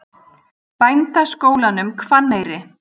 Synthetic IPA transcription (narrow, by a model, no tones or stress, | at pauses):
pajnt̪askoːwlanʏmkʰvanːejɾɪ